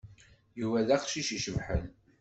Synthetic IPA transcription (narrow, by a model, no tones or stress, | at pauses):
juvæðæχʃiʃiʃəmħə̰n